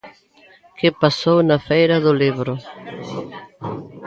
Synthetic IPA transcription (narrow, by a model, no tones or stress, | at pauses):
kɪpasownafɛjɾɐðʊliβɾʊ